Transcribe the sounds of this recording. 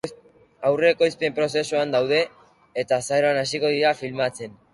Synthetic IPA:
awre̞ko̞jspeempɾo̞s̬e̞suand̪awðe̞ː | t̪asaeɾoanas̬iko̞ðiɾafilmat͡se̞n

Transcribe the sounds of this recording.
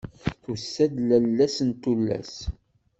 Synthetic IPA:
θusːæd̪lælːæsənt̪ulːæ̰s

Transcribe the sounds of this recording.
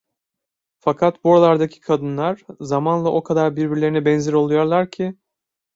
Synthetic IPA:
fakʰat̪buoɾalˠaɾd̪acʰi̥kʰad̪ɯnlˠaɾ̥zamanlˠaʔo̞kʰad̪aɾbiɾbiɾlʲe̞ɾinɛbɛnziɾo̞lˠujo̞ɾlˠaɾcʰɪ

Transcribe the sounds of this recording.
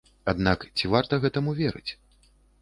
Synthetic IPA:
ad̪nakt͡sʲivart̪ɐɣɛt̪ɐmuvʲeɛɾɨ̰t͡sʲ

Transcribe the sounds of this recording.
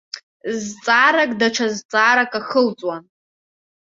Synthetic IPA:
zt͡sʼaːɾakʼdaʈ͡ʂʰazt͡sʼaːɾakʼaχəlt͡sʼwan

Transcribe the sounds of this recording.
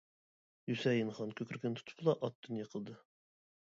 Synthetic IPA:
jysɛjɪnχɑnkʲʰøkʰʲɾkʲʰɛnt̪ʰu̥t̪ʰʊ̥plˠɑʔɑt̪̚d̪ynjɑqʰəlˠd̪ɨ

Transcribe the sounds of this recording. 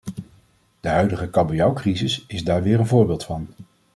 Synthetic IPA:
d̥əɦœɥdəχəkɑbijawkrizɪsɪzdaːɹʋɪːɹənvʊːɹbɪːlˠtfɑn

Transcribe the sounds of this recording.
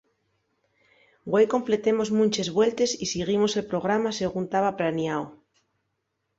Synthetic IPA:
ɡwejko̞mple̞t̪emo̞zmũnt͡ʃezβwe̞lt̪e̞sisiɣ̞imo̞se̞lpɾo̞ɣ̞ɾamase̞ɣ̞unt̪aβapɾanjao

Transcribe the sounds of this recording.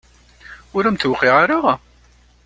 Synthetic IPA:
ʊɾæmθwqːiʁaɾaʁ

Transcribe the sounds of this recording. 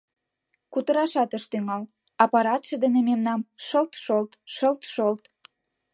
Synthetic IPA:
kut̪ə̆ɾɑʃɑt̪əʃt̪yŋɑl | ɑpɑɾɑt̪ʃeəd̪ənememnɑmʃəlt̪ʃolt̪ʃəlt̪ʃolt̪

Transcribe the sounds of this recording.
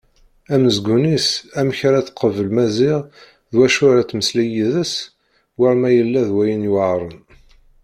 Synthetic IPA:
æməzɡunisæmçɾæθqəvəlmæzɪʁ | ðwæʃʊɾæt͡sːməslijiðəs | wəɾmæjəlːæðwæjənjuʕɾˤən

